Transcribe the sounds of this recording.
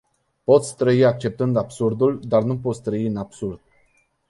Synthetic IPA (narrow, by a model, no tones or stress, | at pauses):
po̞t̪sʲt̪ɾəiak̚t͡ʃe̞p̚t̪ɨnd̪absurd̪uld̪arnupo̞t̪sʲt̪ɾəiɨnabsurd̪̥̚